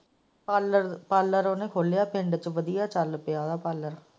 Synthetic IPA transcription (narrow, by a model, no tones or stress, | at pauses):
pːləpaːlːəɾoːnẽːkʰoːlejaːpʰɪ̃ɳɖt͡ʃʋəd̪ijaːt͡ʃaːlːʊpɪjaːd̪aːpaːləɾ